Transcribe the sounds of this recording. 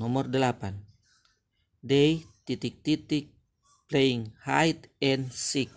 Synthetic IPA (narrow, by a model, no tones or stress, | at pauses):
ɔmɔrdəlapan | dɛjt̪it̪ik̚t̪it̪ɪk̚ | pleiŋhajt̪ɛnsik̚